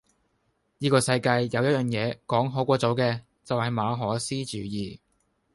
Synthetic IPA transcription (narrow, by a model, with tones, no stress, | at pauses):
jiː˥kɔː˧sɐ˧jkaː˧jjɐ˨˧wjɐ˥t̚jœː˨˩ŋjɛː˨˧kɔː˨˥ŋɦoː˨˥kʷɔː˧t͡so˨˧wkɛː˧ | t͡sɐ˨whɐ˨jmaː˨˧ɦɔː˨˥siː˥t͡ʃyː˨˥jiː˨